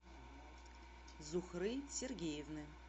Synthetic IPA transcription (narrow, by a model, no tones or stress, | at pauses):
zuxrɨsʲerɡʲejɛvnɨ